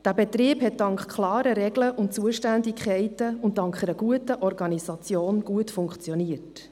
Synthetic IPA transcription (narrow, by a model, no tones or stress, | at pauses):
d̥æːbɛtɾiːbhɛt̚dɑŋkχkʰlɑːɾəɾɛɡləʔʊntt͡suəʃtændikχɛɪtəʊnttːɑŋkχɛɾəɡuətəʔɔɾɡɑnisɑt͡sjoːnɡ̥uətfʊŋkχt͡sjɔniət